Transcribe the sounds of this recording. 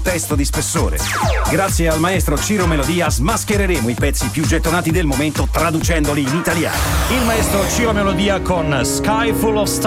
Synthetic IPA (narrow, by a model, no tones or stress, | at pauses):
t̪ɛst̪od̪ispesːo̰ːɾḛɡɾat̪sːjealmaɛst̪ɾot͡ʃiːɾomelod̪iːazmask̟eɾeɾeːmoipɛt̪sːipjud͡ʒet̪ːonaːt̪id̪elmoment̪ot̪ɾad̪ut͡ʃɛnd̪oliːnit̪alja̰ːnoilmaɛst̪ɾot͡ʃiɾomelod̪iːakonskajfulɔfst̪